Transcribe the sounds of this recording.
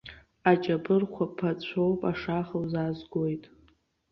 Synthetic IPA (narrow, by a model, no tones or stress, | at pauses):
at͡ʃʼabɨrχʷʰapʰat͡ɕʷʰowpʼaʂaχawzazɡʷojtʼ